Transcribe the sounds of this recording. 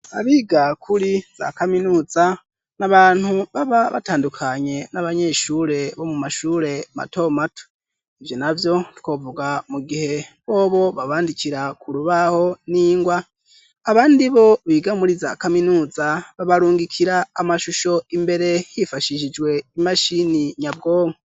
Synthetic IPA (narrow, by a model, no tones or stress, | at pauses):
a̰βiːɡakʰuɾiz̥a̰kaminuːza | naβaːn̥huβaβaβa̰taːndukʰaɲe̞naβaɲe̞ʃuːɾe̞βo̞mumaʃuːɾe̞ma̰to̞mato̥ | ivjo̞navjo̞ti̥ko̞ːvuɡamuɡihe̞βo̞ːβo̞βaβaːndikiɾakuɾuβaho̞niːŋɡwaː | βaːndiβo̞βiːɡamuɾiza̰ːkaminuːzaβaβaɾuːŋɡikʰiɾaːmaʃuʃo̞imbe̞ɾe̞jifaʃiʃid͡ʒɡwe̞imaʃiniɲab̚ɡo̞ːŋe